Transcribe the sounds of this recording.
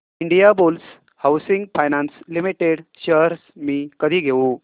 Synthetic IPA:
iɳɖijabols | hawsiŋɡfajnanslimiʈeɽɕəɾsmiːkəd̪ʱiːɡʱeũ

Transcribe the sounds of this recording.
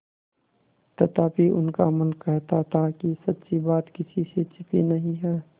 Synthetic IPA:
t̪ɐt̪aːpiʔʊ̰nkamɐnkɛɦt̪at̪akisɐt̪ːsibaːt̪kɪsiset͡ʃɪpinɐɦĩɦɛː

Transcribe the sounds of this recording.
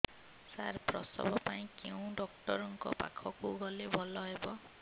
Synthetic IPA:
saɾpɾɔ̰sɔ̰bɔpaĩkew̃ɖɔk̚ʈɔɾɔŋkɔ̰pa̰kʰɔkuɡɔlebʱɔlɔɦebɔ

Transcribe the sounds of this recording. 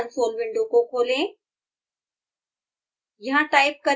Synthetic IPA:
nsoːlʋɪ̃ɳɖokokʰoːlẽ | jɐɦãʈaːɪp̚kɐɾ

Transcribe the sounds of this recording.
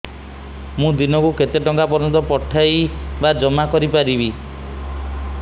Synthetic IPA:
mũd̪inɔkuket̪eʈɔŋkapɔɾɔnt̪ɔpɔʈʰajbad͡ʒɔmakɔɾipaɾibi

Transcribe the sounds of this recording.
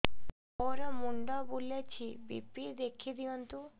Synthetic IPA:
oɾɔmuɳɖɔbulet͡ɕʰibḭpid̪ekʰid̪iɔnt̪u

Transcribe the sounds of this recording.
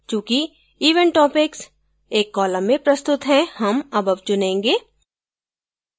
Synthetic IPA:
t͡ʃjũːki | iːʋəɳʈɔːpɪks | eːkːɔːlə̃mːẽpɾɐst̪ʊt̪ɦɛ̃hɐmɐbɐb̚t͡ʃʊnẽːŋɡeː

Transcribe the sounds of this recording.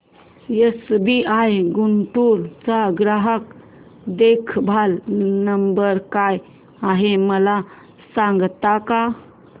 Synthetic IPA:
jəsbiʔajɡunt̪uɾt͡saɡɾaɦək | d̪ekʰbʱalnəmbəɾkaj | aɦeməla | sãŋɡt̪aka

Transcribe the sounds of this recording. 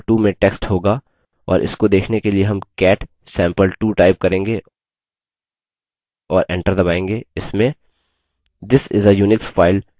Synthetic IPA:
ʈuːmẽʈɛksʈɦoːɡa | ɔ̰ːɾʔɪ̰skod̪eːkʰnekelieɦɐmkɛːʈ | sɛ̃ːmpəlʈuːʈaɪp̚kɐɾẽːŋɡe | ɔːɾɛ̃ɳʈəɾd̪ɐbaːẽːŋɡeːɪsmẽ | d̪ɪsɪ̰zəjuːnɪkfaːɪl

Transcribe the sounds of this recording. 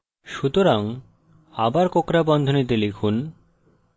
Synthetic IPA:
ʃut̪oɾaŋ | abaɾkokɾabɔnd̪ʱonit̪̬elikʰun

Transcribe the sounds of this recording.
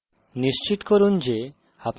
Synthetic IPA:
niʃt͡ɕit̪koɾund͡ʑe | ap

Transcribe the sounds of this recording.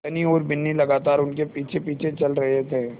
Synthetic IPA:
ɐnioːɾbɪnːilɐɡaːt̪aːɾʊnkepiːt͡ʃʰepiːt͡ʃʰet͡ʃɐlɾɐɦet̪ʰeː

